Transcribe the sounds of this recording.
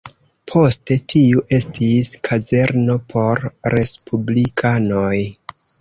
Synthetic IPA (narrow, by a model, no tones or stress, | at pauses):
pʰo̞ste̞tʰiuʔe̞stʰiskʰaze̞ɾno̞pʰo̞ɾːe̞spʰublikʰano̞j